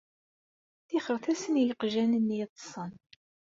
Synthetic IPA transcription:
θɪχəɾθæsənjəqʒænənːt̪ˤːə̥sˤən

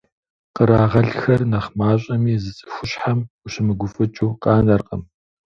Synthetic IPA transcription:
qəɾaːʁɐɮxɐrnɐχmaːɕʼɐmiːzɨt͡sʼɨ̥xʷʊɕħamuɕɪmɨɡʷʊfʼɨt͡ʃʼuːqɑːnɐrqəm

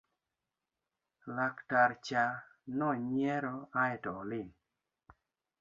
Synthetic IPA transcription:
laktaɾt͡ʃanɔɲɛɾɔaɛtɔlɪn

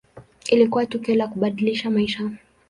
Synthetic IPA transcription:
ilikuwatukiɔlakuɓaɗiliʃamaiʃa

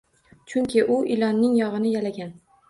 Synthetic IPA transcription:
t͡ʃʰʊŋkʲɪʔʊʔɪlɒnːɪŋjɒʁɨnɪjalaɡʲan

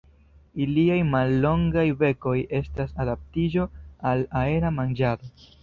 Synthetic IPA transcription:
iliajmalːo̞ŋɡajve̞ko̞je̞stasadap̚tid͡ʒo̞alae̞ɾamand͡ʒado

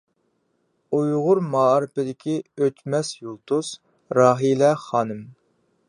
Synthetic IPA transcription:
ujʁʊɾmɑːɾɨpɪd̪ɪkʲʰiøt̪mɛsjulˠt̪ʰus | ɾɑːɦilɛχɑːnɨm

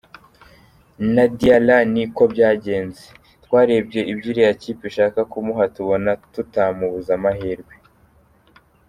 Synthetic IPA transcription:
nadialaniko̞bɟaːɟe̞ːnze | twaːɾebɟe̞ʔibɟiɾijaciːpiʃaːkakumuɦatuβo̞natutamuβuzamaɦeɾɡwe

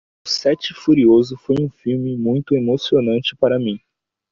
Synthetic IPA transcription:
ʊsɛt͡ʃɪfuɾiozʊfojũfiwmɪmũj̃t̪ʊemosionɐ̃nt͡ʃɪpaɾɐmĩ

